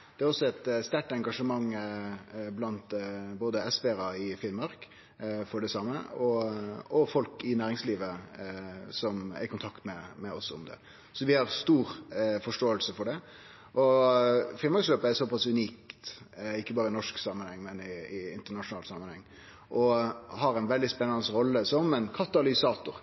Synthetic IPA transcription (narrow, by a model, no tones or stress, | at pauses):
d̪̥ɛæɾɔsːɔɛt̪st̪æʈɛŋɡɑʂəmɑŋː | blɑnt̪boːd̪əɛsʋɛɾɑɪfɪnmɑɾk | fɔɖɛsɑmːə̰ɔɔfɔlkɪnæːɾɪŋsliːʋə | sɔmæ̰ɾkʰʊnt̪ʰɑkt̪mɛmɛɔsʊ̰md̪ɛ̰ | sɔʋɪhɑʁst̪uːɾfɔʂʈoːəlsəfɔɖɛ | ʔɔ | fɪlmɑɾksløːpəæɾsɔpɑsʉniːkt̪ɪkːəbɑːɾəɪnɔʂksɑmːənhɛŋːmɛnɪːɪ̰nt̪əɳɑʂʊnɑːlsɑmːənhɛŋː | ʔɔɦɑɾæɪnʋɛld̪ɪspɛnːɑnəsɾɔlːəsɔmɛnkʰɑt̪ɑlɪsɑːt̪ʊɾ